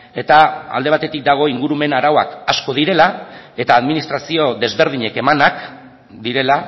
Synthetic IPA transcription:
e̞t̪aa̰ld̪e̞at̪e̞t̪ik̚d̪aɣ̞o̞iŋɡuɾume̞naɾawakasko̞ð̞iɾe̞lae̞t̪aːðminist̪ɾasio̞ðe̞zβe̞ɾðiɲe̞ke̞manak | d̪iɾe̞la

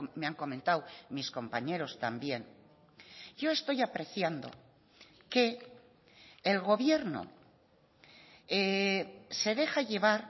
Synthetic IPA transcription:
meaŋko̞mẽnt̪awmisko̞mpaɲe̞ɾo̞st̪ambje̞ŋ | ɟ͡ʝo̞e̞st̪o̞japɾe̞θjand̪o̞̰ | ke̞ | lɣo̞βje̞ɾno̰ | e | se̞ðe̞xaʝe̞βaɾ

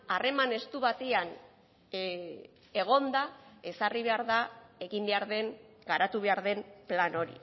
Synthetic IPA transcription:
are̞mane̞st̪uβat̪ean | e̞ɣ̞o̞nd̪ae̞sariβ̞e̞aɾðae̞ɣimbe̞aɾðe̞ŋ | ɡaɾat̪uβ̞e̞aɾðe̞mplano̞ɾḭ

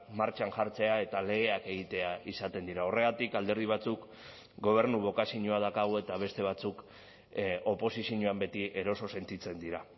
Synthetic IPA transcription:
maɾt͡ʃanʝaɾt͡se̞ae̞t̪ale̞ɣe̞ake̞ɣ̞it̪e̞aisat̪e̞nd̪iɾao̞re̞ɣ̞at̪ikald̪eɾð̞iβ̞at͡suk | ɡo̞β̞e̞ɾnuβ̞o̞kasiɲuað̞akaɣ̞oe̞t̪aβ̞e̞st̪e̞β̞at͡suk | o̞po̞sisiɲuambe̞t̪iʔe̞ɾo̞so̞se̞nt̪it͡se̞nd̪iɾa

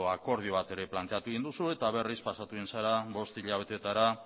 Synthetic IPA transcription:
oako̞ɾð̞ioβ̞at̪e̞ɾe̞plant̪e̞at̪ueɣind̪usue̞t̪aβe̞rispasat̪uinsaɾaβo̞st̪iʎaβe̞t̪e̞t̪aɾa

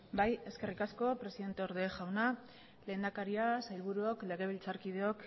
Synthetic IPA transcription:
baje̞ske̞rikasko̞pɾe̞siðe̞nt̪e̞o̞ɾðe̞ʝawna | le̞ːnd̪akaɾiasajlβuɾuokle̞ɣ̞e̞β̞ilt͡saɾkið̞eo̞k

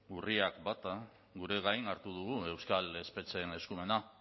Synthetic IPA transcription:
uriakbat̪a | ɣuɾe̞ɣajnaɾt̪uð̞uɣue̞wskale̞spe̞t͡se̞ne̞skume̞na

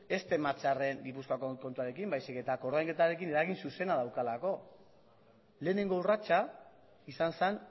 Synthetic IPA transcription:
e̞st̪e̞mat͡sare̞ŋɡipuskoakoko̞nt̪uaɾe̞kimbajsike̞t̪ako̞ɾðajŋke̞t̪aɾe̞kine̞ɾaɣ̞insuse̞nað̞awkalako̞ | le̞ːne̞ŋɡourat͡ʃa | isansan

